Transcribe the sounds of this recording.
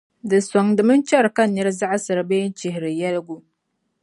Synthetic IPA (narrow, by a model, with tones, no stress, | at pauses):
dɨ˨sɔ˨ŋdɨ˨mɨ˦n˦t͡ʃɛ˦ɾka˦nːɛ˦ɾza˦ʔa˦sɨ˨ɾbe˦n̩˦t͡ʃɪ˨ɦɪ˨ɾɨ˨jɛ˦lɡu˦